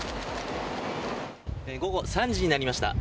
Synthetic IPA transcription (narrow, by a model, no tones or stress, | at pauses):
ɡo̞ɡo̞sãɲ̟d͡ʑiɲ̟inaɾʲimaɕi̥t̪a̰